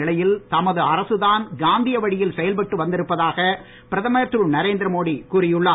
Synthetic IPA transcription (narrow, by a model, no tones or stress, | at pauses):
ɪlɐjɪlt̪ɐmɐðɯɐɾɐsɯðaːnɡaːnd̪ɪjɐʋɐɽɪjɪlsɛjɐlpɐʈːɯʋɐnd̪ɪɾɯpːɐðaːɣɐ | pɪɾɐðɐmɐjɐt̪ːɾɯnɐɾeːnd̪ɾɐmoːɽikuːɾɪjɯɭːaː